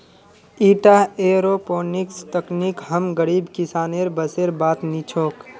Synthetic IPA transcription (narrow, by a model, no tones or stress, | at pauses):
iːʈaeːɾopoːnikst̪əknikɦəmɡəɾiːbkɪsaːneɾbəseɾbaːt̪nit͡ʃʰoːk